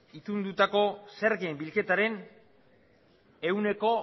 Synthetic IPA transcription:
it̪und̪ut̪ako̞seɾɣiembilke̞t̪aɾe̞n | e̞wne̞ko̞

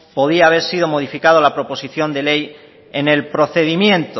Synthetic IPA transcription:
po̞ðiaːβ̞e̞ɾsið̞o̞mo̞ðifikað̞olapɾo̞po̞siθjo̞nd̪e̞le̞j | ene̞lpɾo̞θe̞ðimjẽ̞nt̪o

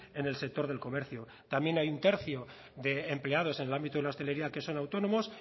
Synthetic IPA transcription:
e̞ne̞lse̞k̚t̪o̞ɾðe̞lko̞me̞ɾθjo | t̪amje̞najunt̪e̞ɾθjo̞ | ðe̞ːmple̞að̞o̞se̞nelambit̪oðelaost̪ele̞ɾiake̞so̞nawt̪o̞nõ̞mo̞s

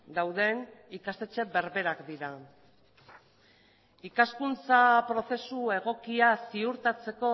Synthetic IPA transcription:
d̪awðe̞nikast̪e̞t͡ʃe̞be̞ɾβe̞ɾakd̪iɾa | ikaskunt͡sapɾo̞θe̞sue̞ɣ̞o̞kiasiuɾt̪at͡se̞ko̞

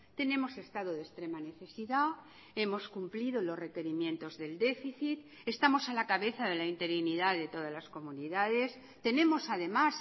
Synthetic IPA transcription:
t̪e̞nẽ̞mo̞se̞st̪aðoðest̪ɾe̞mane̞θe̞siða | e̞mo̞skumplið̞olo̞sre̞ke̞ɾimjẽ̞nt̪o̞zðe̞ld̪e̞fiθit̪ | e̞st̪amo̞salakaβe̞θaðe̞laint̪e̞ɾiniðaðe̞t̪o̞ðazlasko̞muniðað̞e̞s | t̪e̞nẽ̞mo̞saðe̞mas

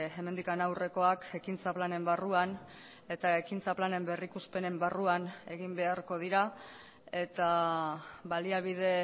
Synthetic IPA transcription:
e̞mend̪ikanawre̞ko̞ake̞kint͡saplane̞mbaruan | e̞t̪aekint͡saplane̞mbe̞rikuspe̞ne̞mbaruane̞ɣimbe̞aɾko̞ð̞iɾa | e̞t̪a | βaliaβ̞iðe̞

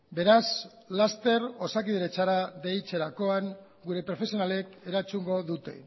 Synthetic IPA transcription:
be̞ɾas | last̪e̞ɾo̞sakiðeɾet͡saɾaðejt͡se̞ɾako̞aŋ | ɡuɾe̞pɾo̞fe̞sio̞nale̞ke̞ɾat͡suŋɡo̞ðut̪e̞

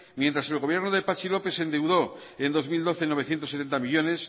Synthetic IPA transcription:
mjent̪ɾase̞lɣo̞β̞je̞ɾnoðepat͡ʃilo̞pe̞se̞nd̪ewðo̞ | end̪o̞zmild̪o̞θeno̞βeθje̞nt̪oset̪e̞nt̪amiʝo̞ne̞s

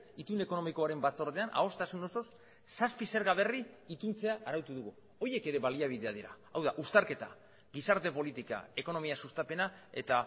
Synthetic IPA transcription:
it̪une̞ko̞no̞miko̞aɾe̞mbat͡so̞ɾðe̞anʔa̰o̞st̪asuno̞so̞s | saspise̞ɾɣaβ̞e̞riit̪unt͡se̞aʔːɾawt̪uðuɣu | o̞je̞ke̞ɾe̞βaliaβ̞iðe̞að̞iɾa̰ | awðaʔust̪aɾke̞t̪a | ɡisaɾt̪e̞po̞lit̪ika̰e̞ko̞no̞miasust̪ape̞nae̞̰t̪a

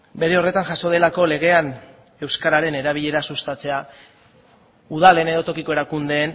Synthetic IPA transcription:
be̞ɾe̞o̞re̞t̪anʝaso̞ð̞e̞lako̞le̞ɣ̞e̞an | e̞wskaɾaɾe̞ne̞ɾaβ̞iʎe̞ɾasust̪at͡se̞a | uðale̞ne̞ðo̞t̪o̞kiko̞e̞ɾakund̪e̞ːn

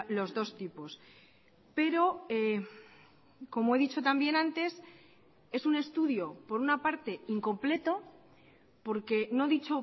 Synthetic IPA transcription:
lo̞zðo̞st̪ipo̞s | pe̞ɾo̞e | ko̞moe̞ðit͡ʃo̞t̪ambje̞nãnt̪e̞s | e̞sune̞st̪uðjo̞po̞ɾunapaɾt̪e̞iŋko̞mple̞t̪o̞ | po̞ɾke̞no̞ðit͡ʃo̞

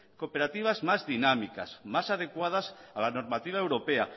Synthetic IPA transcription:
kopeɾat̪iβ̞azmazðinamika̰smasað̞ekwað̞asalanoɾmat̪iβ̞aewɾopea

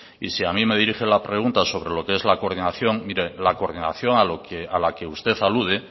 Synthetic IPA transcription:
ḭsiamĩme̞ð̞iɾixe̞lapɾe̞ɣ̞unt̪aso̞βɾe̞lo̞kee̞zlako̞ɾðinaθjo̞ŋmiɾe̞lako̞ɾðina̰θjo̞ŋalokealake̞ust̪e̞θaluð̞e

